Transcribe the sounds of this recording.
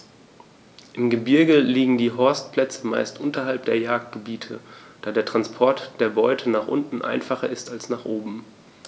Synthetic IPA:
ʔɪmɡəbɪɐɡəliːɡŋ̩diːɦɔɐst̚pl̥ɛt͡səma̰ɪstʔʊntɐɦalp̚d̥eːɐjaːk̚t̚ɡ̥əbiːtʰə | d̥aːdeːɐtʁ̥anspʰɔɐtd̥eːɐbɔʏtʰənaːχʔʊ̰ntn̩ʔa̰ɪnfaχɐɪstalsnaːχʔoːbm̩

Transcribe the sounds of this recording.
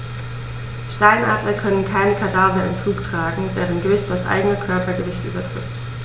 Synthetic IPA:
ʃtaɪnʔa̰ːdlɐkʰœnənkʰaɪnəkʰadaːvɐɪ̰mfluːktʁ̥aːɡŋ̩vɛːʁənɡ̥øːstd̥asʔa̰ɪɡənəkʰœɐpɐɡəvɪçtʔy̰ːbɐtʁ̥ɪ̰t

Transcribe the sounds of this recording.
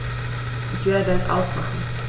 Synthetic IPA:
ʔɪçv̥ɪːɐədsʔa̰ʊsmaχn̩

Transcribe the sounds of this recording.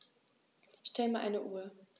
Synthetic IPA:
ʃtʰɛləmaɐʔaɪnəʔuːɐ

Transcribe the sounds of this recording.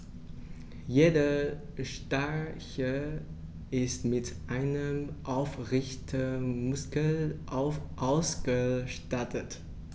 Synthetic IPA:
jeːdə | ʃtaçə | ʔɪstmɪtʔaɪnəmʔaʊfʁɪçtʰəmʊskəlʔaʔaʊsɡ̥əʃtatət

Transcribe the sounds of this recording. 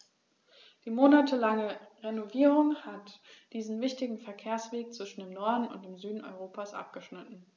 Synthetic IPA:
d̥iːmoːnatʰəlaŋəʁenoviːʁ̞ʊŋhatd̥iːzn̩vɪçtɪɡŋ̩fɛɐkʰeːɐsv̥eːk̚t͡sv̥ɪʃn̩deːmnɔɐdn̩ʊ̰nt̚d̥eːmzyːdn̩ʔɔ̰ʏʁoːpasʔa̰p̚ɡ̥əʃnɪtn̩

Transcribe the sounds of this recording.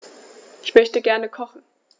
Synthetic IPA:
ʔɪçmœçtəɡɛɐnəkʰɔχn̩

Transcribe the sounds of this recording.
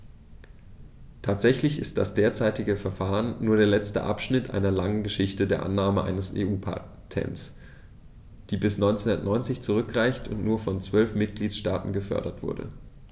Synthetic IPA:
tʰaːtz̥ɛçlɪçɪst̚d̥asd̥eːɐt͡saɪtɪɡəfɛɐfaːʁənːuːɐdeːɐlɛt͡stə̰ʔa̰pʃnɪtʔa̰ɪnɐlaŋənɡəʃɪçtədeːɐʔa̰nːaːməʔa̰ɪnəsḛːuːpʰa̰ | tʰɛ̰ns | d̥iːbɪsnɔʏnt͡senndɐtnʔɔʏnt͡sɪçt͡suʁ̞ʏkʁaɪçtʰʊ̰ntnuːɐfɔnt͡sv̥œlfmɪt̚ɡ̥liːtʃtaːtn̩ɡəfœ̰ɐɾɐtv̥ʊ̰ɐdə̰

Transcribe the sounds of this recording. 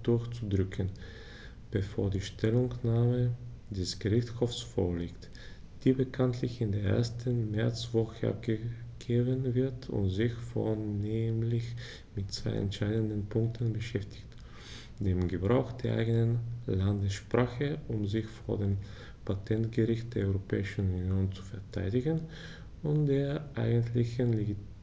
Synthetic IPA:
d̥ʊɐçt͡sudʁʏkʰən | b̥əfoːɐdiːʃtʰɛlʊŋnaːmə | d̥ɛsɡ̥əʁɪçthɔfsfo̰ːɐliːkt | d̥iːbəkʰantʰlɪçɪndeːɐʔḛːɐstʰənmɛɐt͡sv̥ɔxəʔa̰p̚ɡ̥əɡ̥eːbənvɪɐtʰʊ̰ntzɪçfo̰ɐneːmlɪç | mɪtt͡sv̥a̰ɪɛ̰ntʃaɪdəndənpʰʊŋk̚tʰənbəʃɛftʰɪ̥çt | d̥eːmɡəbʁaʊxd̥eːɐʔa̰ɪɡənənlandəsʃpʁ̥aːxəʔʊmzɪçfoːɐdeːm | pʰatʰɛntɡ̥əʁɪçt̚d̥eːɐʔɔʏʁopʰɛ̰ːɪʃn̩unjoːnt͡su̥fɛɐtʰa̰ɪdɪɡən | ʊntd̥eːɐʔa̰ɪɡəntlɪçənleɡ

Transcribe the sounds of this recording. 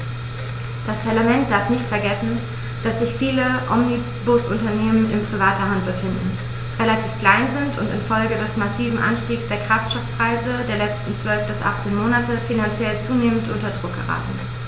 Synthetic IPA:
d̥aspʰaɐlamɛnt̚d̥aɐfnɪçtfɛɐɡɛsn̩ | d̥asz̥ɪçfiːləʔɔmni | bʊsʔʊntɐneːmənɪnpʁ̥ivaːtɐɦandbəfɪndn̩ | ʁelatʰiːfkl̥aɪnzɪntʰʊ̰ntɪ̰nfɔlɡədɛsmasiːvm̩ʔa̰nʃtiːksd̥eːɐkʁ̥aftʃtɔfpʁ̥aɪzədeːɐlɛt͡stn̩t͡sv̥œlfb̥ɪsʔa̰χt͡seːnmoːnatəfinant͡sjɛlt͡suːneːməntʔʊntɐdʁʊk̚ɡ̥ə̰ʁa̰ːtn̩

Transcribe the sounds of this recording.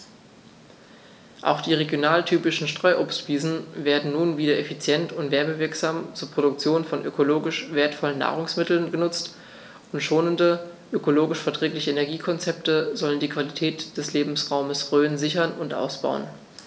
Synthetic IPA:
ʔa̰ʊxd̥iːʁeɡjonaːltʰyːpɪʃn̩ʃtʁ̥ɔʏʔoːpstb̥iːzn̩veːɐdn̩nuːnviːdɐʔefit͡sjɛntʊntv̥ɛɐməvɪɐkz̥aːmt͡suːɐpʁ̥oɾʊk̚t͡sjoːnfɔnʔø̰kʰoloːɡɪʃv̥eːɐtfɔlənːa̰ːʁ̞ʊŋsmɪtl̩nɡənʊt͡st | ʊntʃoːnəndəʔøkoloːɡɪʃfɛɐtʁ̥ɛːklɪçəenɛɐɡiːkʰɔnt͡sɛp̚təzɔləndiːkv̥alitʰɛːtd̥ɛsleːbm̩sʁaʊməsʁøːnzɪçɐnʊntʔa̰ʊsb̥a̰ʊə̰n

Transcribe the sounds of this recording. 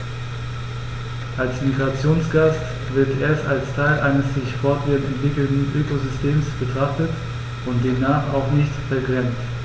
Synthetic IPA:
ʔalsmiɡʁat͡sjoːnsɡ̥ast | v̥ɪɐtʔeːɐstalstʰaɪlʔaɪnəsz̥ɪçfɔɐtv̥ɪɐtɛntv̥ɪkl̩tn̩ʔøːkozʏstʰeːmsb̥ətʁ̥aχtət | ʊnt̚d̥eːmnaːχa̰ʊxnɪçtfɛɐɡʁɛnft

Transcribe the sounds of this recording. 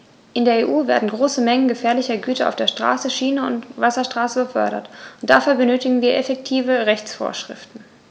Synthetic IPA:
ʔɪndeːɐeːʔuːvḛːɐdn̩ɡʁoːsəmɛŋənɡəfɛːɐlɪçɐɡyːtɐa̰ʊfd̥eːɐʃtʁ̥a̰ːsəʃiːnəʊ̰ntvasɐʃtʁ̥aːsəbəfœ̰ɐɾɐ̰tʊnt̚d̥afyːɐbənøːtɪɡŋ̩viːɐʔɛfɛktʰiːvəʁɛçt͡sfo̰ːɐʃʁ̥ɪ̰ftn̩

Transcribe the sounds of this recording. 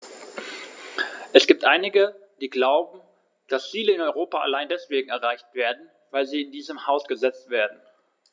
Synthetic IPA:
ʔɛsɡ̥iːp̚tʔaɪnɪɡəd̥iːɡlaʊbm̩ | d̥ast͡siːləɪnɔʏʁoːpaa̰laɪndɛsv̥eːɡŋ̩ɛɐʁaɪçtv̥eːɐdn̩ | vaɪlziːɪndiːzəmhaʊsɡ̥əzɛt͡stv̥eːɐdn̩

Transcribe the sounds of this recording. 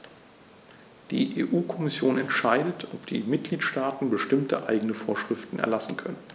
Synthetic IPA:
d̥ḭːʔḛːʔuːkʰɔmɪsjoːnɛntʃaɪdətʰʔɔpd̥iːmɪt̚ɡ̥liːtʃtaːtn̩bəʃtɪmtʰə̰ʔaɪɡənəfoːɐʃʁ̥ɪftn̩ʔɛ̰ɐlasn̩kʰœnən

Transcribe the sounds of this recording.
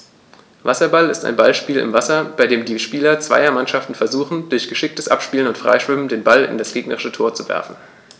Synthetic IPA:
vasɐbalɪsta̰ɪnbalʃpiːlɪ̰mvasɐb̥aɪdeːmdiːʃpiːlɐt͡sv̥a̰ɪɐmanʃaftn̩fɛɐzuːχn̩d̥ʊɐçɡ̥əʃɪk̚təsʔa̰pʃpiːlənʊntfʁ̥a̰ɪʃv̥ɪmən̩deːnbalɪ̰ndasɡ̥eːɡnə̰ʁɪʃətʰoːɐt͡suvɛ̰ɐfn̩

